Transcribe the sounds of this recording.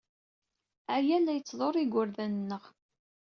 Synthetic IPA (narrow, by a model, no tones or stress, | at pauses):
æjælːæjət͡sːðˤoɾˤiɡʷʊɾðænənːəʁ